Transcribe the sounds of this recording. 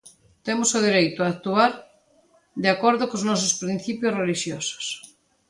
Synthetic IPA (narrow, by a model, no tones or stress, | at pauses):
t̪emosʊð̞iɾejt̪ʊak̚t̪uaɾ | d̪eakoɾðokoznɔs̬ʊspɾĩnθipjosreliʃjoso̥s